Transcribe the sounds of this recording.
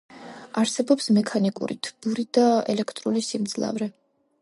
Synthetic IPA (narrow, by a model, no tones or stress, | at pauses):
aɾsɛbɔpsmɛkʰanikʼṵɾḭt̪ʰb̥uɾid̪aɛlɛkʰt̪ʼɾulisimd̪zlˠa̰vɾɛ